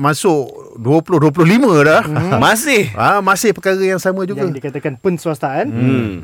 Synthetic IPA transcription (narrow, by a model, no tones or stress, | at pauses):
masʊʔduəpulʊɦduəp̬ulʊɦlimə̃dahmasɪhamasɪhpəkaɣajaŋsamãd͡ʒuɡadikat̪akanpənsuast̪aʔan